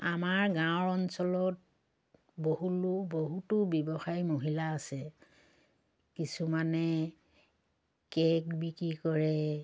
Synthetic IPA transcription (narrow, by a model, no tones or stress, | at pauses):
amaɹɡãɹɔnsɔlɔt̚ | boɦuluboɦutʊbjɔbɔxajmoɦilaːsɛ | kisumanɛ | kɛk̚bikɹikɔɹɛ